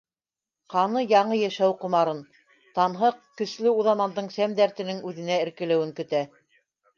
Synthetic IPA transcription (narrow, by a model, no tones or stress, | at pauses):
qɑnɤjɑɴɤjæʃæwqŏmɑɾɤn | t̪ɑnɦɤqkɵ̆ʃlɘuðɑmɑnd̪ɤɴsæmd̪æɾt̪ɘ̆nɘŋʉðɘ̆næɘ̆ɾkɘ̆læ̆wɘŋkɵ̆t̪æ